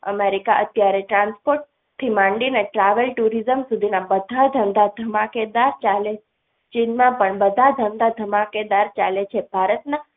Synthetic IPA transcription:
ə̰meɾikaʔət̪jaɾeʈɾãnspoɾʈ̚ | t̪ʰimãɳɖineʈɾaʋəlʈuɾizəmsud̪ʱinabəd̪ʱad̪ʱənd̪ʱad̪ʱəmaked̪aɾt͡ʃale | t͡ʃinmãpəɳbəd̪ʱad̪ʱənd̪ʱad̪ʱəmaked̪aɾt͡ʃalet͡ʃʰebʱaɾət̪na

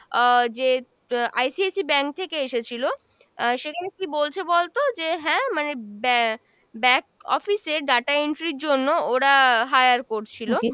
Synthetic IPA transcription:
d͡ʑe | a̰jsiesibɛŋk̚t̪ʰekeeʃet͡ɕʰilo | ʃekʰanekibolt͡ɕʰebolt̪od͡ʑeɦɛ̃manebɛ | bɛ̃kɔ̰fiseɾɖaʈaeɳʈɾiɾd͡ʑonːooɽaɦajaɾkoɾt͡ɕʰilo

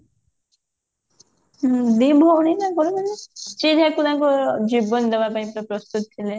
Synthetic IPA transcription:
d̪ibʱɔːɽ̃inakɔɾɔbelet͡ʃid̪ʱakud̪akud͡ʒibɔnd̪ebapaĩpɾɔpɾɔst̪ut̪ɔt̪ʰːile

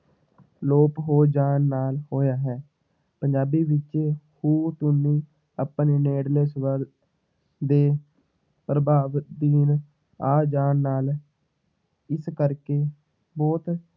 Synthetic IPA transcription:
loːpɦoːd͡ʒaːnːaːlhoːjaːɦɛː | pəɲd͡ʒaːbiːʋɪt͡ʃeːhuːt̪ʊnːĩː | əpneːneːɽlesʋəɾ | d̪eː | pɾəbaːʋd̪iːn | aːd͡ʒaːnːaːl | ɪskəɾkeː | bɔːt̪

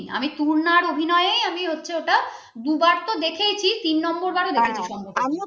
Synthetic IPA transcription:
a̰mit̪uɾnaɾobʱinɔeejamiɦotːɕʰeoʈa | d̪ubaɾt̪od̪ekʰejt͡ɕʰit̪inːɔmboɾbaɽod̪ekʰet͡ɕʰiʃɔmboɾami

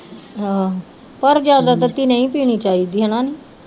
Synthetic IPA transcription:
pəɾd͡ʒjaːd̪aːt̪ət̪iːnəĩːpiːñiːt͡ʃaːiːd̪iːɦənãːniː

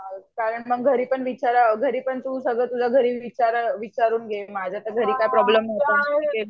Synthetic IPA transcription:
kaɾəɳməɡ̚ɡʱəɾiːpəɳʋit͡ɕaɾaɡʱəɾiːpəɳt̪usəɡɭəːt̪ud͡zʱaɡʱəɾiːʋit͡ɕaɾʋit͡ɕaɾuːnɡʱemad͡ʑʱat̪əɡʱəɾiːkajpɾɔbləmːɦot̪oke

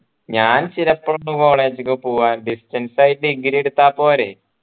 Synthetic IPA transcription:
ɲaːnt͡ɕiɾɐpːɐɭunːuko̞ːɭe̞ːd͡ʑikɐpoːʋaːnɖistɐnsajitːɨiɡɾijeɽut̪ːaːpo̞ːɾe

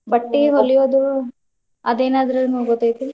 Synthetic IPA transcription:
bɐʈːiɦolijoːd̪u | ɐ̰d̪eːnaːd̪ɐɾɐnuːɡot̪ːaːjt̪ii

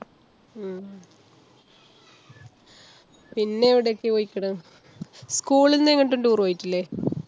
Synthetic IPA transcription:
pinːe̞ːʋiɽejokːɨoːjikʲːɐɽɐ | skuːɭinːeŋːɐɳʈ̬ːuɳɖuːrʋajiʈːilːe

